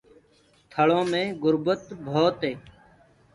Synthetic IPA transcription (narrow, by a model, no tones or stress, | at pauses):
t̪ʰəɭõːmẽːɡʊɾbət̪bʱoːt̪ɦeː